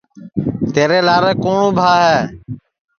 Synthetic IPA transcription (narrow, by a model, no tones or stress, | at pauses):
t̪eːɾeːlaːɾeːkoːɳũːbʱaːɦɛː